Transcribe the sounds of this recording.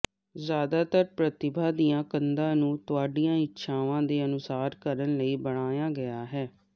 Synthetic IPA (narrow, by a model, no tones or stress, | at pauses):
zjaːd̪aːt̪əɾpɾət̪ɪbʱaːd̪ijãːkənd̪ãːnũːt̪ʊaːɖijãːɪtːʃʰaːʋãːd̪eːənʊsaːɾkəɾənləiːbəɽ̃aːjaːɡəjaːɦɛː